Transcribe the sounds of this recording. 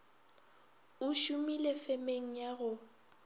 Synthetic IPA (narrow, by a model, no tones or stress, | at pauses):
ʊʃumilefemeŋ̩jaɣʊ